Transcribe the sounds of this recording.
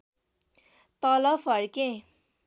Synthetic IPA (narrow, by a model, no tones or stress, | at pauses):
t̪ʌlʌbʰʌɾkẽ